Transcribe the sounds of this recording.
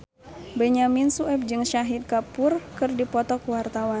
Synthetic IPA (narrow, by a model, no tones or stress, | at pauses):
bɛɲaminsuɛp̚d͡ʒɨŋʃaɦit̪̚kapurkɨrdipɔt̪ɔkwart̪awan